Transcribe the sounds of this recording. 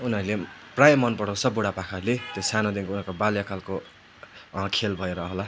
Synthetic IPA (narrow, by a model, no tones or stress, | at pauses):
uniɦʌɾuleprajʌmʌnpʌɽʌ̃sʰʌbuɽapakʰalet̪josanod̪inkounʌɾkobaljakʰalko | kʰelbʱʌeɾʌɦola